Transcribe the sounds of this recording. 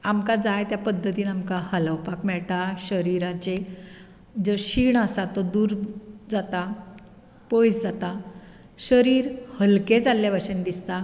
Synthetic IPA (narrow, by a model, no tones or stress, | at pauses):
amkad͡zajt̪japəd̪ʱːət̪iːnamkahələwpakmɛɭʈaɕəɾiɾãt͡ɕe | d͡zəɕiːɳəsat̪əd̪uːɾd͡zat̪a | pojsd͡zat̪a | ɕəɾiːɾhəlked͡zaljabʱaɕənd̪ist̪a